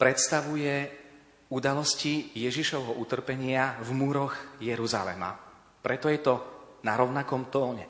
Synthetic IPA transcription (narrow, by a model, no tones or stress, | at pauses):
pɾɛt̪st̪aʋujɛ | ud̪alɔscijɛʒiʃɔʊɦɔʔut̪r̩pɛɲɪavmuɾɔɣjɛɾuza̰lɛ̰ma̰ | pɾɛt̪ɔjɛt̪ɔnaɾɔʊnakɔmt̪ɔːɲɛ̰